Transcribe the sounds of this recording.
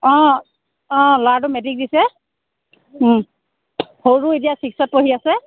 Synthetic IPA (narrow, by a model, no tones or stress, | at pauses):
ɔ̃ | ɔ̃ladʊmɛdik̚disɛ | hoɹuetijasiksɔt̚poɦiasɛ